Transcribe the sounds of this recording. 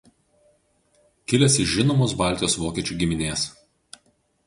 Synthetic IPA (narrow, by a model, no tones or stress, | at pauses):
kʲɪlʲɛsɪʃʒʲɪnoːmoːs̬bɑˑlʲt̪ʲɪjoːsʋoːkʲɛt͡ʃʲuːɡʲɪmʲɪnʲeːs